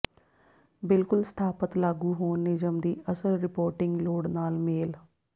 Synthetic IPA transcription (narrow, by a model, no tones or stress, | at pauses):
bɪlkʊlst̪ʰaːpət̪laːɡuːɦoːnːɪd͡ʒəmd̪iːʔəsəlɾɪpoːɾʈɪ̃ŋɡloːɽnaːlmeːl